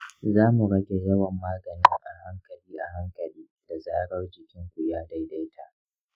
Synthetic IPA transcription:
zaː˦mu˨ɽɐ˦ɡʲe˨jɐ˦wɐ˨mːaː˦ɡɐ˨nɪ˦ŋʔa̰˨ha˦ŋkɐ˨liː˦ʔa̰˨ɦa˦ŋkɐ˨liː˦d̥a˨zaː˦ɽɐ˦rd͡ʒɪ˨kʲɪ˦ŋkʷu˨jaː˦da˦jda˦jtʰa̰˨ʔ

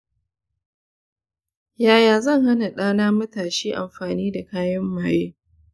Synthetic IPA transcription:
jaː˨jaː˨zɐ˦˨ŋha˦na˨ɗaː˦naː˦mɐ˦taː˨ʃiː˦ʔa˨mɸaː˨niː˦da˨kaː˦jɐ˦mːaː˨jeː˦

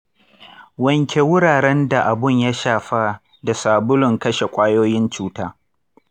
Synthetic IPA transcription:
wɐ˨ŋkʲʰe˨wʊ˦ɽaː˨ɽɛ˦nda˨ʔa˨bʊ˦˨ɲja˦ʃaː˨ɸa˦ | da˨saː˨bʊ˦lʊ˨ŋkɐ˦ʃe˨kʷʼaː˦joː˦jɪ˦nt͡ʃuː˦taː˦

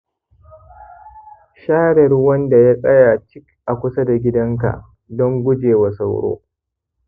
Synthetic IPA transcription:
ʃaː˦ɽɛ˨rwɐ˦nda˨ja˦sʼɐ˦jaː˨t͡ʃɪ˦kʔa˨kʷʊ˦sa˦da˨ɡʲɪ˦dɐ˦ŋka̰˨ʔ | dɔ˦ŋɡʷʊ˦d͡ʒeː˨wa˨sa˨wɽo̰ː˦

